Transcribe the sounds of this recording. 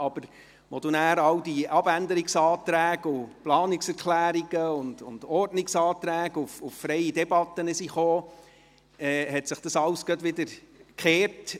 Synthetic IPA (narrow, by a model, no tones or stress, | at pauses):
ɑb̥əɾ | mɔd̥̪unæːɾɑwdiɑb̥ænd̪əɾɪksɑːt̪ɾæːɡʊplɑːnɪksɛɾkʰlæːɾiɡ̥əʊnd̥̪ʊ̰nd̥̪ɔɾdnɪksɑːt̪ɾæːɡʊfʊffɾɛɪidɛbɑt̪ːənəsiχoː | ɛːhɛtsɪχd̥̪ɑsɑlskədʋɪd̪əɾkχeːɾt